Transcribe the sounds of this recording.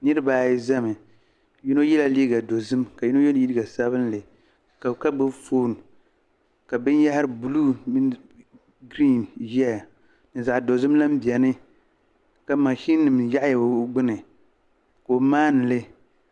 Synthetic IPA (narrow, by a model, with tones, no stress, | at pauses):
nɨ˦ɾɨ˦baː˨jɪ˦za˦mɨ˨ | ji˦no˦jɛ˦la˦liː˦ɡa˨do˨zɨ˦mka˨ji˦no˦jo˦n˨ji˦dɨ˦ɡa˨sa˦βɨ˦nlɨ˨ | ka˨ka˦bɨ˦foː˦˨n˨ | ka˨bɨ˦nja˦ha˦ɾɨ˦bu˨luː˦ | ɡɾi˦njɛ˦a˨ | nɨ˨za˨ʔdo˨zɨ˦mla˦m̩˦bi˨ɛ˨nɨ˦ | ka˨˦ma˨ʃi˦nːɨ˨mja˦ʔja˨˦ɡ͡bɨ˦nɨ˨ | ko˨maː˦nɨ˨lɨ˦